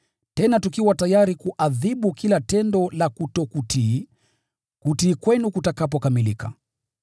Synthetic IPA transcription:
tɛnatukiwatajaɾikuʔaðiɓukilatɛndɔlakutɔkuti | kutiːkwɛnukutakap̬ɔkamilika̰

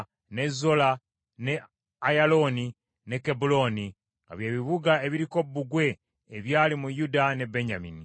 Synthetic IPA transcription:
ne̞zo̞la | ne̞ | ajalo̞ni | ne̞ke̞bulo̞ni | ŋɡa̰βje̞ːβiβuɡae̞βiɾiko̞bːuɡwe̞ː | βjaːlimujudane̞be̞ɲamini

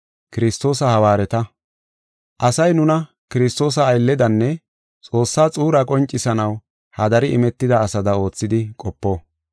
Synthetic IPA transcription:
kɪɾɪst̪o̞ːsɐhɐwaːɾɛt̪ɐ | ʔɐsɐjnʊnɐ | kɪɾɪst̪o̞ːs̬ɐːjlːɛd̪ɐnːɛ | t͡sʼo̞ːsːaːt͡sʼuːɾɐkʼɔnt͡ʃʼːɪsɐnɐw | hɐd̪ɐɾɪʔɪmɛt̪ːɪd̪ɐːsɐd̪ɐo̞ːt͡sːɪd̪ɪkʼɔpːo̞ː

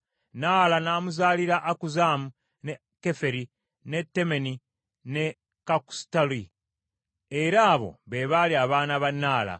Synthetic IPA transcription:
naːlanaːmuzaːliɾaʔakuzamu | ne | kːe̞fe̞ɾi | ne̞tːe̞me̞ni | ne̞ | kaku̥stali | e̞ɾaːβo̞̰βe̞βaliaβaːnaβanːaːla̰

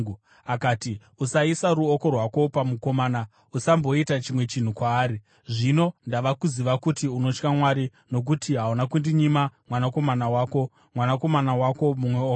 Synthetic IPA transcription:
akaːti | usaisaɾuoko̞rwako̞pamuko̞maːna | usambo̞itat͡ʃimwe̞t͡ʃin̤ukwaːɾi | ʐino̞ndaʋakuziʋakutiuno̞t͡ʃkamwaɾi | no̞k̬utiɦaunakundiɲimamwanako̞manawaːko̞ | mwanako̞manawako̞mumwe̞oː

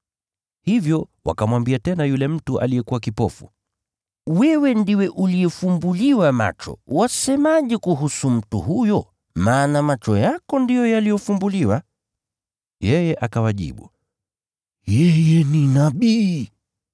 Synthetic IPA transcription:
hivjɔwa̰kamwambiatɛnajulɛm̩tuʔa̰lijɛkuwakipɔfṵ | wɛwɛndiwɛʔulijɛfumbuliwama̰t͡ʃɔ̰wasɛmaʄɛkuɦusum̩tṵhujɔ | maːnamat͡ʃɔjakɔndijɔjalijɔfumbuliwa | jɛjɛʔakawaʄḭɓṵ | jɛjɛninaɓiː

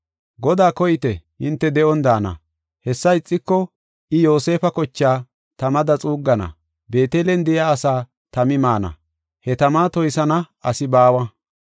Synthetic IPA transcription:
ɡɔd̪aːkɔjɪt̪ɛhɪnt̪ːɛd̪ɛʔɔnd̪aːnɐ̰ | hɛsːɐɪt͡sʼːɪkːɔ | ɪjo̞ːse̞ːfɐkɔt͡ʃːaː | t̪ɐmɐd̪ɐt͡sʼuːɡːɐnɐ̰ | be̞ːt̪eːlɛnd̪ɪjaːsaː | t̪ɐmɪmaːnɐ̰ | hɛt̪ɐmaːt̪ɔjsɐnɐ | ɐsɪbaːwɐ

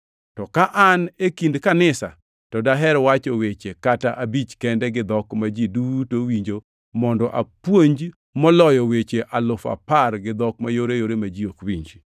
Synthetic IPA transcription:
tɔkaʔanekindkanɪsa̰ | tɔdaɦɛɾwat͡ʃɔwet͡ʃekataʔabit͡ʃkɛndɛɡɪd̪ɔkmad͡ʒidutowiɲd͡ʒo | mɔndɔʔapwoɲd͡ʒ | mɔlɔjɔwet͡ʃeʔalʊfa̰parɡɪd̪ɔkmajoɾejoɾemad͡ʒiokwiɲd͡ʒi

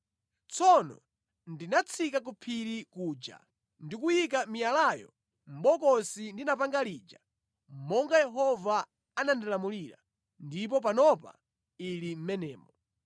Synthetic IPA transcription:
t͡sʰɔnɔ̰ | ndinat͡sʰikak̬upʰiɾikuːd͡ʒa̰ | ndikujikamijalajɔ̰ | m̩ɓɔkɔsindinapaŋɡaliːd͡ʒa | m̩mɔŋɡajɛɦɔva | anandilamuliɾa̰ | ndip̬ɔp̬anɔpa̰ | ilim̩mɛnɛːmɔ

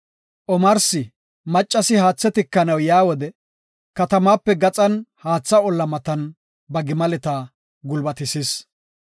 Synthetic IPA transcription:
ʔɔmɐɾsɪ | mɐt͡ʃʼːɐsɪhaːt͡sːɛt̪ɪkːɐnɐwjaːwɔd̪ɛ | kɐt̪ɐmaːpːɛɡɐt͡sʼɐnhaːt͡sːɐɔlːɐmɐt̪ɐn | bɐɡɪmɐlɛt̪aː | ɡʊlbɐt̪ɪsɪs

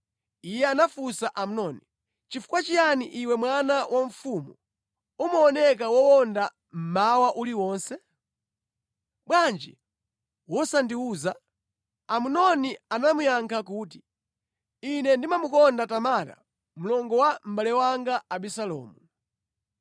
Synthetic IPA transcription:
ijɛanafusaʔamunɔni | t͡ʃifu̥kwat͡ʃijaniʔiwɛmwanawʔaɱ̩fumu | umɔɔnɛk̬awɔwɔnda | m̩mawaʔuliwɔːnsɛ | ɓwand͡ʒḭ | wɔsandiuːza | amunɔnianamujaŋkʰakuːt̬i̥ | inɛndimamukɔndatamata̰ | m̩lɔŋɡɔwam̩balɛwaŋɡaaɓisalɔ̰ːmu

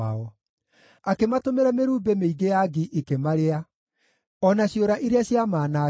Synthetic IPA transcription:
aɔ | akematomeɾɛmeɾuːbemeiɡejaɡiʔekemaɾea | ɔnaɕioɾaʔiɾeaɕjamaːna

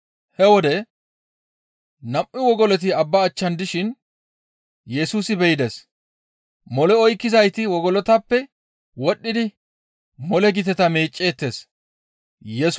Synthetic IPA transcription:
hɛwɔd̪ɛ | nɐpʔɪwɔɡɔlɔt̪̬ɪɐbːɐːt͡ʃːɐnd̪ɪʃɪn | jɛsuːsɪbɛjɪd̪ɛs | mɔlɛɔjkːɪzɐjt̪ɪwɔɡɔlɔt̪ɐpːɛ | wɔɗːɪd̪ɪ | mɔlɛɡɪt̪ɛt̪ɐmeːt͡ʃʼːe̞ːt̪ːe̞ːs | jɛs

